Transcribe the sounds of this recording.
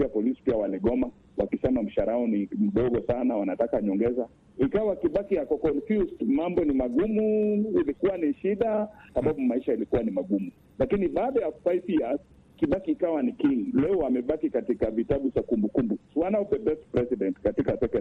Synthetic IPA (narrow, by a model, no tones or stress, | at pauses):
iapɔlisi̥piawalɛɠɔma | wakisɛmam̩ʃaɾaɔnim̩ɗɔɡɔsanawanatakaɲɔŋɡɛza | ikawakiɓakijakɔkɔnfustmambɔnimaɡumuilikuwaniʃiɗasaɓaɓumaiʃailikuwanimaɡumu | lakiniɓaːɗajafaipias | kiɓakiːkawanikiŋlɛɔamɛɓakikatikavitaɓusakumbukumbuwanaɔpɛbɛstpɾɛsiɗɛntkatikatɛkɛ